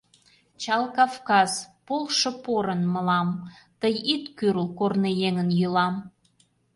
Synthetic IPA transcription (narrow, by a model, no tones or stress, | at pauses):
t͡ɕɑlˠkɑfkɑz̥polʃə̆poɾənməlɑm | t̪əjit̪kyrlkornejeŋənjylɑm